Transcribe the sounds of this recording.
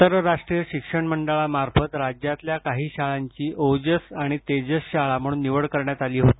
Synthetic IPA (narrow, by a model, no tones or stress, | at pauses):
əɾəɾaʂʈɾijəɕikʂəɳməɳɖaɭamaɾfət̪ɾad͡ʑjat̪ljakaɦiːɕaɭaɲt͡ɕiːʔod͡ʑəsaɽ̃it̪ed͡ʑəsɕaɭam̤əɽuːnːiʋəɽkəɾɳjat̪aliːɦot̪i